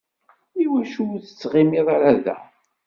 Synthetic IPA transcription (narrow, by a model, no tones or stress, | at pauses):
iwæʃuθə̥t͡sːʁɪmɪðˤaɾaðæ̰